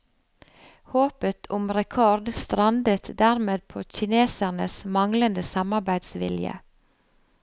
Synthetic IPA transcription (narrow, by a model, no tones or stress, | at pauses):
hoːpət̪ʰʊmɾɛkʰɔɾd̪st̪ɾɑnd̪ət̪d̪æʁmeːd̪̚pʰoːçɪneːsæʁnəsmɑŋlənd̪əsɑmɑɾbæɪd̪sʋɪ̰ljə̰